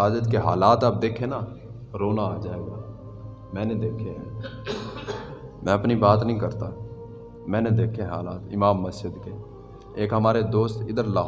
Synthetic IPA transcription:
aːd͡ʒət̪keɦaːlaːt̪aːp̚d̪eːkʰena | ɾoːnaːd͡ʒaːeːɡaː | mɛ̃ːned̪eːkʰeɦɛ̃ | mɛ̃ːɐpnibaːt̪nəɦĩkəɾt̪a | mɛ̃ːned̪eːkʰeɦaːlaːt̪ɪ̰maːmːəsd͡ʒəd̪ke | eːkɦɐmaːɾed̪oːst̪ɪd̪əɾlaː

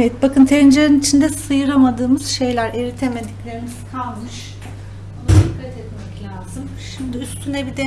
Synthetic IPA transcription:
evɛt̪̚bakʰɯnt̪ʰeɾind͡ʒleɾinit͡ʃʰind̪ɛsɯjɯɾamad̪ɯːmɯz̥ʃe̞jlʲæɾeɾit̪ʰe̞med̪iclʲe̞ɾimiz̥kʰalˠmɯʃ | onsykʰːat̪ɛt̪mɛclʲaːzɯm | ʃimd̪iyst̪ʰynɛbid̪ɛ

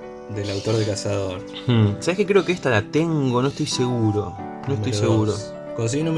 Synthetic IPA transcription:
d̪elawt̪oɾðelkasaðoɾ | x̩saβehkekɾe̞okeeht̪alat̪e̞ŋɡo̞noeht̪ojse̞ɣuɾo̞ | noet̪oseɣuɾo | kons̬iinom

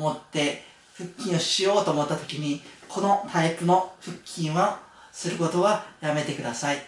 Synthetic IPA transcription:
mo̞t̪ːe̞ | ɸɯ̟kʲːĩɰ̃o̞ɕijo̞ːt̪o̞ːmot̪ːat̪o̞̥kʲiɲ̟ikʰo̞no̞t̪ʰaipɯ̟no̞ɸɯ̟kʲʰːĩɰ̃βasɨɾɯ̟ko̞t̪o̞βajame̞t̪e̞kɯd̪asai

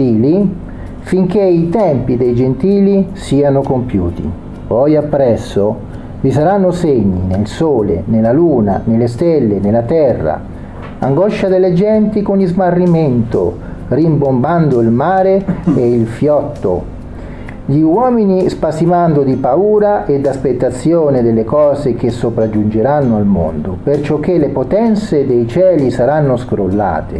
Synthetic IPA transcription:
iːli | fiŋk̟eit̪ɛmpid̪ejd͡ʒent̪iːlisiːanokompjṵːt̪ḭ | pɔjapːɾɛsːo | visaɾanːoseɲːḭnelsoːlḛnelaluːna̰nelːest̪ɛlːenelːat̪ɛrːa̰ | a̰ŋɡɔʃːad̪elːed͡ʒɛnt̪ikonizmarːiment̪o̰ | rimbomband̪oilmaːɾeeilfjɔt̪ːo̰ | ʎiwɔːminispasimand̪od̪ipauːɾaʔed̪ːaspet̪ːat̪sːjoːned̪elːekɔːzek̟esːopɾad͡ʒund͡ʒeɾanːoalmo̰nd̪opert͡ʃok̟ːelːepot̪ɛnt̪sed̪ejt͡ʃɛːlisaɾanːʊskɾolːa̰ːt̪ḛ

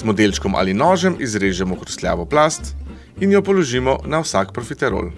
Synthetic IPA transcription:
zmɔd̪elt͡ʃkɔmʔa̰linɔːʒɛmʔizɾeːʒɛmɔkɾɔst̪lja̰ːʋɔplast̪ | injɔpɔlɔʒiːmɔnawsakpɾɔfit̪ɛɾo̰ːl

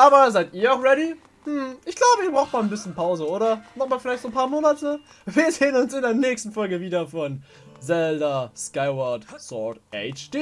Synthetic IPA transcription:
ʔaːbɐzaɪtiːɐaʊxʁɛɾi | mm̩ʔɪçɡ̥laʊbəiːb̥ʁaʊxtmaːlnbɪsçənpʰaʊzəoːɾɐmɔχmaːlfɪlaɪçtzoːnpʰaːɐmoːnatə | viːɐzeːənʊnsɪndeːɐnɛːçstn̩fɔlɡəviːdɐfɔn | zɛldɐskaɪwɔtsɔtʔɛt͡ʃd̥e

